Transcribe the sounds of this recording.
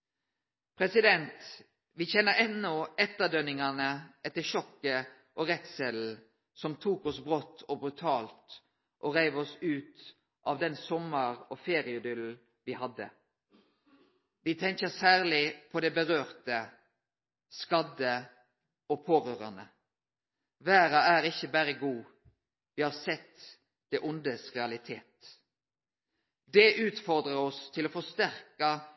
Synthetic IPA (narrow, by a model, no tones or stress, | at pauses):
pʰʁɛsɪd̪ɛnt̪ | ʋɪçɛnːəɾɛnːɔɛt̪ːəd̪œnɪŋɑnəɛt̪ːəʃɔkːə | ʔɔʁɛt̪sɛl̩ | sɔmt̪ʰuːkɔsbʁɔt̪ʰːɔbʁʉt̪ʰɑːlt̪ | ʔɔʁæɪʋɔsʉːt̪ | ʔɑʋd̪ɛnsɔmːəʁɔfeːʁɪəd̪ʉl̩ | ʋɪhɑd̪ːə | ʋɪt̪ʰɛŋkəsæːʁlɪpʰɔd̪ɛbəʁøːʁt̪ə | skɑd̪ə | opʰoːʁøːʁɑnə | ʋæːɾɑæɾɪçːəbæɾəɡuː | ʋɪːhɑsɛt̪ | d̪̥ɛʔʊnd̪əsʁɛɑlɪt̪ʰeːt̪ | d̪ɛʔʉːt̪fɔʁd̪ʁəɾɔst̪ʰɪloːfɔst̪æʁkɑ